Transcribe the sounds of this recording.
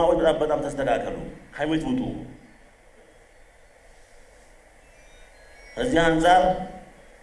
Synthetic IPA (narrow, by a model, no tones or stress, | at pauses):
awɔd̪ət̪abət̪ʼamt̪ʰəst̪ʰʼəkakʰːəlṵkʰamet̪wut̪ʼṵ | ʔəzːihansʼaɾ